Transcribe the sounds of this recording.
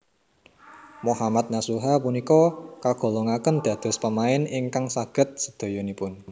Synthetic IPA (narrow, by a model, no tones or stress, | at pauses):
mohamat̪̚nasuɦapunikɔkaɡ̥o̤loŋakənd̪̥ä̤d̪̥ɔ̤spəmaɪnɪŋkaŋsaɡ̥ə̤t̪̚səd̪̥o̤jonipʊn